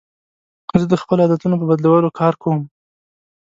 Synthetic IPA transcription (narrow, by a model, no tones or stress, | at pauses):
zəd̪əxpəloɑd̪at̪unop̬əbad̪lawəlokʰɑɾkʰawəm